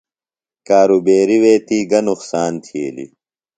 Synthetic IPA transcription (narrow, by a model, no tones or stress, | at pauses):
kaːɾubeːɾiweːt̪iːɡɐnuxsaːnt̪ʰḛːlḭ